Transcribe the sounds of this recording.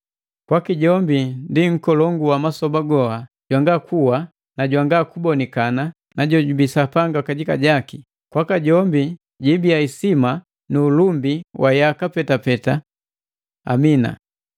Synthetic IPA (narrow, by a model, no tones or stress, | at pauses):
kwakiɟɔmbindiŋ̩kɔlɔŋɡuwamasɔbaɡɔha | ɟ̥waŋɡakʰuwa | naɟwaŋɡakubɔnikana | naɟɔɟubisapaŋɡakaɟika̰ɟaki | kwakaɟɔmbi | ɟibiaisima | nuːlumbiwʔajakapɛtapɛta | a̰mina̰